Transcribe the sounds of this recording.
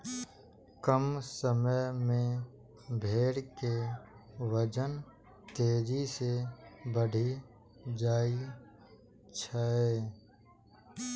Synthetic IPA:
kəmsəməjmẽ | bʱeːɽke | ʋəd͡ʒən | t̪eːd͡ʒisebəɽ̤ʱi | d͡ʒaːi | t͡ʃʰəɛː

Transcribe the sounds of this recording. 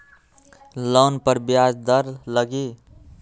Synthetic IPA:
lonpəɾbjad͡ʒd̪əɾləɡi

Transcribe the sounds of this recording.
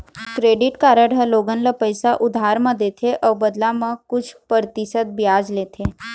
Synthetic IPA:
kɾeːɖɪʈkaːɾəɽʱəloːɡənlapəjsaʔʊd̪ʱaːɾmãd̪eːt̪ʰeʔɔːbɐd̪lamɐ̃kʊt͡ʃʰpəɾt̪ɪsət̪̚bɪjaːd͡ʒleːt̪ʰeː

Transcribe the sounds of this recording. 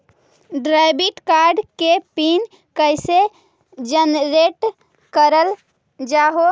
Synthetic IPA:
ɖɾajbiʈkaɾɖkepin | kəjse | d͡ʒənɾeʈ | kəɾəl | d͡ʒaɦo

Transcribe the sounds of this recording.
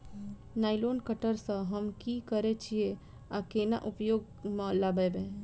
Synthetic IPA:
naːɪloːnkəʈəɾsə̃ɦəmkikəɾet͡ʃʰie | akena̰ʔʊpjoːɡ | mãlababẽ

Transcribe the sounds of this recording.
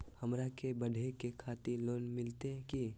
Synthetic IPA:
hɐmɾakebɐɖʱekekʰaːt̪iloːnmɪlt̪eɦɛ̃ki

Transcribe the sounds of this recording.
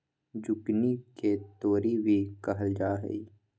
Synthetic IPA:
d͡ʒʊkniket̪oːɾibʱikɐɦəld͡ʒaːɦḛi

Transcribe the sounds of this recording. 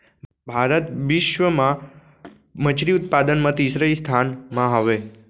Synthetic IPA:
bʱaɾət̪ʋɪʃʋəmã | mət͡ʃʰɾiut̪̚pad̪ənmãt̪isɾəst̪ʰanmãɦaʋe

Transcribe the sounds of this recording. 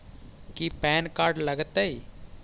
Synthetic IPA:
kipɛːnkaːɾɖləɡət̪ai

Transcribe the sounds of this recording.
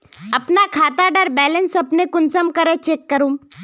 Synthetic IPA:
ɐpnakʰaːt̪aɖəɾbɛːlənsɐpnekʊnsəmkɐɾet͡ʃeːkːəɾũːm

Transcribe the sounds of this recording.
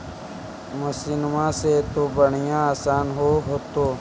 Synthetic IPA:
mʊsiːnʊmãːset̪oːbəɳijãaːsaːnɦoːɦoːt̪oː

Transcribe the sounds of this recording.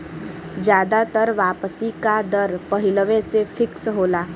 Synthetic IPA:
d͡ʒjaːd̪at̪əɾʋaːpəsikad̪əɾpəɦɪləʋẽsefʰɪksɦoːlaː

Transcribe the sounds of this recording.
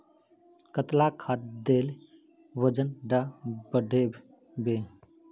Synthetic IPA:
kət̪lakʰat̪d̪eːl | wəd͡ʒənɖabəɖeb | be

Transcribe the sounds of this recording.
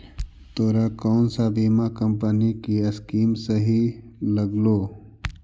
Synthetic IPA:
t̪oːɾakɔːnsabiːmakɐmpənikiɐskiːmsəɦilɐɡloː

